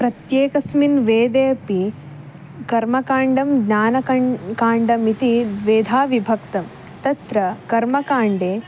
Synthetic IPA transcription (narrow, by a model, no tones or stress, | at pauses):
pɾɐt̪jeːkɐsminʋeːd̪eːɐpi | kɐɾmɐkaːɳɖɐmɡɲaːnɐkɐkaːɳɖɐmit̪id̪ʋeːd̪ʱaːʋibʱɐkt̪ɐm | t̪ɐt̪ɾɐkɐɾmɐkaːɳɖeː